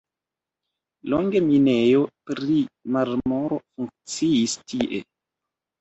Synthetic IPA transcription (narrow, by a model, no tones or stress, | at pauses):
loŋɡeminejopɾimaɾmoɾofuŋk̚t͡siistiʔḛ